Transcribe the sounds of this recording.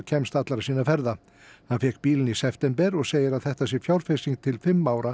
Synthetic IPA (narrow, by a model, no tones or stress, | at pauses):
cʰɛmst̪at̪laɾasiːnafɛɾða | hanfɛːkpiːlɪnisɛft̪ɛmpɛɾɔɣseːjɪɾaðθɛht̪asjɛɾfjawɾfesiŋk̚t̪ʰɪlfɪmːaːwɾa